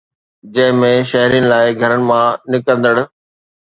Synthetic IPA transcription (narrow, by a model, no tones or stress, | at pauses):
d͡ʑɐ̃ɦɪ̃mẽʃɐɦɾijənɪ̆laːɪɡʱɐɾənɪ̆mãnɪkə̃nd̪əɽ̆